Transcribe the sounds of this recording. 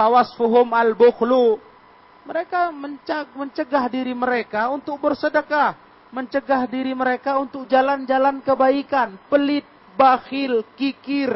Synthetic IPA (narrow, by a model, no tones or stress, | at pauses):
pawasfuɦʊmalbuxlu | məɾekaməɲaməɲt͡ʃəɡahdiɾiməɾekaunt̪ʊk̚bərsədəka | məɲt͡ʃəɡahdiɾiməɾekaunt̪ʊk̚d͡ʒaland͡ʒalankəbaikanpəlɪt̪̚ | bahɪlkikɪr